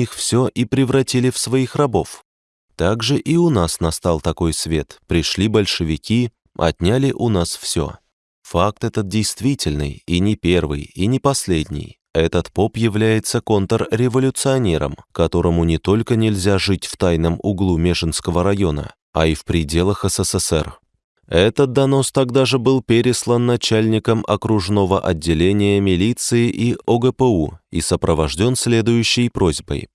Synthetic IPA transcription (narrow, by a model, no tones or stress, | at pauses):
ixfsʲoʔipɾʲɪvɾɐtʲilʲɪfsvɐixrɐbo̞f | t̪aɡʐɨʔiʊnasnɐst̪alˠt̪ɐko̞jsvʲe̞t̪pɾʲɪʂlʲibəlʲʂɨvʲɪkʲi | ɐ̰tʲnʲalʲɪʔʊnasfsʲo̞̰ | fak̚t̪ɛt̪ət̪̚dʲɪjst̪vʲitʲɪlʲnɨ̰jinʲɪpʲe̞rvɨ̰jinʲɪpɐsʲlʲedʲnʲɪ̰j | ɛt̪ət̪po̞pjɪvlʲæjɪt̪səko̞nt̪ərɾʲɪvəlʲʊt̪sɨɐnʲe̞ɾə̰mkɐt̪o̞ɾəmʊnʲɪt̪o̞lʲkənʲɪlʲzʲaʐɨtʲft̪ajnəmʊɡlˠumʲeʂɨnskəvəɾɐjo̞nə̰ | ɐ̰ifpɾʲɪdʲe̞lˠəxɛsɛsɛsɛ̰r | ɛt̪ət̪̚d̪ɐno̞st̪ɐɡd̪aʐɨbɨlˠpʲeɾʲɪslˠənːɐt͡ɕælʲnʲɪkəmʔɐ̰kɾʊʐno̞vəʔɐdʲːɪlʲenʲɪjəmʲɪlʲit̪sɨɪʔiʔʔoɡəpəuḭsəpɾəvɐʐdʲo̞nsʲlʲe̞d̪ʊjʉɕːɪjpɾo̞zʲbə̰j